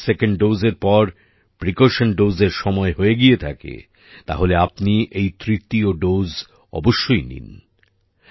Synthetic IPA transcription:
sekeɳɖɖozeɾpɔɾ | pɾikoʃanɖozeɾʃɔmɔeɦoeɡiet̪ʰakḛ | t̪a̰ɦoleapniʔejt̪ɾit̪ioɖowz | ɔ̰boʃːojnḭn

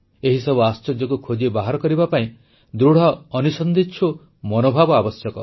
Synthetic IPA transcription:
eɦisɔbuast͡ʃɔd͡ʒːɔkukʰod͡ʒebaɦaɾɔkɔɾibapaĩ | d̪ɾuɽ̤ɔːnusɔnd̪itːt͡ʃʰu | mɔnobʱabɔabɔsjɔkɔ

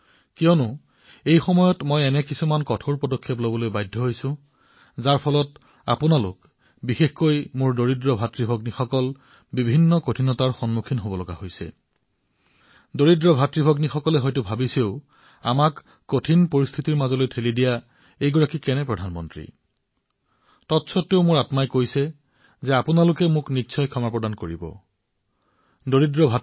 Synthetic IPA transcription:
kijɔnʊ | ejxɔmɔjɔtmɔjɛnɛkisumankɔtʰoɹpɔdɔkʰːeplobɔlojbajdʱːɔɦojsʊ̃ | zaɹpʰɔlɔt | a̰pʊnalʊ̰k | bixexkojmʊɹdoɹidɹɔbʱatɹibʱɔɡnixɔkɔl | bibʱinːɔkotʰinɔtaɹxɔnmukʰinɦobɔlɔɡa̰hojsɛ̰ | doɹidɹɔbʱatɹibʱɔɡnixɔkɔlɛɦɔjtʊbʱabiseʊ | a̰makː | otʰinpoɹist̪ʰitiɹmazɔlojtʰelidija | ejɡɔɹakikɛnɛpɹɔdʱanmɔntɹḭ | tɔtsʰɔteʊmʊɹatmajkojsɛ | zɛapʊnalʊkɛmʊknitːsʰɔjkʰɔmaɹpɹɔdankoɹibɔ̰ | doɹidɹɔbʱa

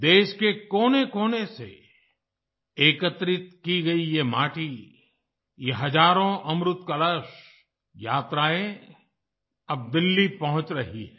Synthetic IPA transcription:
d̪eːʃkekoːnekoːnesḛ | eːkət̪ɾɪt̪̚kiɡɐijemaːʈi | jeɦɐd͡ʒaːɾõʔɐmɾʊt̪kɐləʃ | jaːt̪ɾaːẽ | ɐb̚d̪ɪlːipɐɦʊ̃t͡ʃɾɐɦiɦɛ

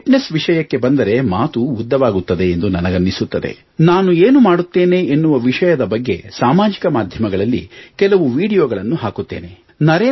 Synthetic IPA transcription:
ʈnesʋiʂɐjɐkːe̞bɐnd̪ɐɾe̞maːt̪uːd̪ːɐʋaːɡut̪ːɐd̪e̞ːnd̪unɐnɐɡɐnːisut̪ːɐd̪e̞̰ | naːnueːnumaːɽut̪ːe̞ːne̞ːenːuʋɐʋiʂɐjɐd̪ɐbɐɡːe̞̰saːmaːd͡ʒikɐmaːd̪ʱjɐmɐɡɐɭɐlːḭkɛlɐʋuʋiːɽijoːɡɐɭɐnːuɦaːkut̪ːe̞̰ːne̞ | nɐɾeː

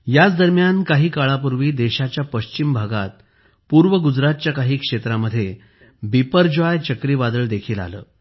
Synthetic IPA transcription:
jat͡sd̪əɾmjankaɦiːkaɭapuɾʋiːd̪eɕat͡ɕjapəɕt͡ɕimbʱaɡat̪̚ | puɾʋəɡud͡zɾat̪̚t͡ɕjakaɦiːkʂet̪ɾaməd̪ʱːje | bipəɾd͡ʑʋajt͡ɕəkɾiːʋad̪əɭd̪ekʰiːla̰lə̰ː

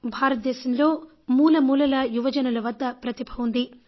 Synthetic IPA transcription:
bʱaːɾɐt̪̚d̪ɛːʃɐmlo̞ː | muːlɐmuːlɐlɐjuʋɐd͡ʒɐnɐlɐʋɐd̪ːɐpɾɐt̪ibʱɐund̪i

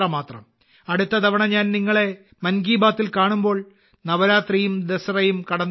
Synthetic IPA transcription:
ɐmaːt̪rɐm | ɐɽut̪ːɐd̪ɐʋɐɳɐɲaːnniŋːɐɭe̞ | mɐnɡiːbaːt̪ːilkaːɳumbo̞ːɭ | nɐʋɐɾaːt̪rijumd̪esɐrɐjumkɐɽɐnː

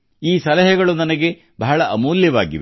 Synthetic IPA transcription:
iːsɐlɐɦɐɡɐɭunɐnɐɡe̞ | bɐɦɐɭɐʔɐmuːljɐʋaːɡḭʋe

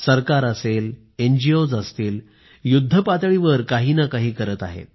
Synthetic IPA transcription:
səɾkaɾəsel | end͡ʑiod͡zəst̪iːl | jud̪ʱːəpat̪ɭiʋəɾkaɦiːnakaɦiːkəɾət̪a̰ɦḛt̪̚

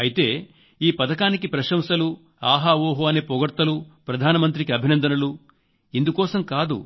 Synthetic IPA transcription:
ɐjit̪e̞ː | iːpɐd̪ɐkaːnikipɾɐʃɐmsɐlu | aːɦaːʋoːɦoɐneːpɔɡɐɾt̪ɐlupɾɐd̪ʱaːnɐmɐnt̪ɾikiɐbʱinɐnd̪ʱɐnɐlu | ind̪ukɔːsɐmkaːd̪ṵ

